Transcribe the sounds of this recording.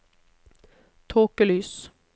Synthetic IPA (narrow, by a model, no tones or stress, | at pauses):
t̪ʰoːkəlyːs